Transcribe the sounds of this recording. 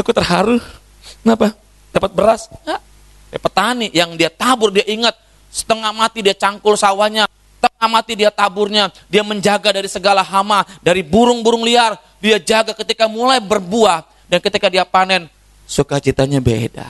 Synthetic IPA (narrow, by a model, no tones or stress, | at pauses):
akut̪ərɦaɾʊs | ŋapa | dapət̪̚bəɾasŋa | ja̰pət̪aniʔjaŋdiat̪abʊrdiaʔiŋat̪̚ | sə̥t̪əŋahmat̪idiat͡ʃaŋkʊlsawaɲa | t̪əŋahmat̪idiat̪abʊrɲa | diaməɲd͡ʒaɡadaɾisəɡalaɦamadaɾibuɾʊŋbuɾʊŋliar | diad͡ʒaɡakət̪ikamulajbərbuah | dankət̪ikadiapanɛn | sukat͡ʃit̪aɲabḛda̰